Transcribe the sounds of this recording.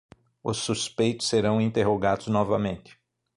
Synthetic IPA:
ʊ̰sːuspejt̪ʊ̥sːeɾɐ̃w̃ĩnt̪eɦoɡad̪ʊznɔvɐmẽnt͡ʃ̪ɪ̥

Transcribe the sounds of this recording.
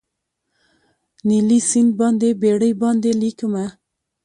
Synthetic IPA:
nilisɪnd̪̚bɑnd̪ebeɽəjbɑnd̪elikəma

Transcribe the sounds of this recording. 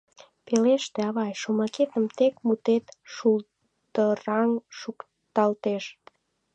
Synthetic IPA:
peleʃt̪eɑβɑjʃomɑket̪əmt̪ekmut̪et̪ʃul | t̪ərɑŋʃuk | t̪ɑlt̪eʃ

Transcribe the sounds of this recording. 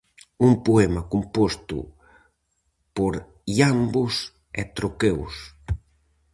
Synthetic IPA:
umpuɛmɐkumpost̪ʊ̰ | poɾ | ʎambʊs | ɛ̰t̪ɾokews

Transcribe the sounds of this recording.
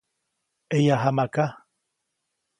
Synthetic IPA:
ejaɦamaka

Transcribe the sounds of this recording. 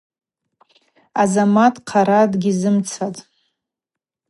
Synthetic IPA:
azamatʼqʰaɾadɡʲizɨmt͡sʰatʼ

